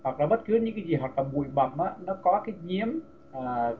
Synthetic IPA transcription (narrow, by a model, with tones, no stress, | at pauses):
hwa˨˩k̚laː˨˩ɓə˦˥t̚kɨ˨˦ɲɨ̰˧˥ŋkaː˨˦jzi˨˩ɦwa˨˩k̚laː˨˩ɓṵ˧˨ə˨jɓə̰˧˨˩mʔaː˨˦nɔ˨˦kɔ˨˦kaː˨˦jɲi˨˦əm | ʔəː˨˩